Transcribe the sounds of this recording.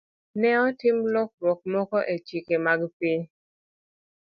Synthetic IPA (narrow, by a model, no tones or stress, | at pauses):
nɛɔtɪmlɔk̚ɾɔk̚mɔkɔʔet͡ʃikemaɡpiɲ